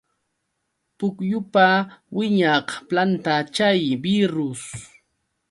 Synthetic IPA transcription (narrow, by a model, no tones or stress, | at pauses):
pʊkjʊpawɪɲɑqplant̪at͡ʃajbɪɾʊs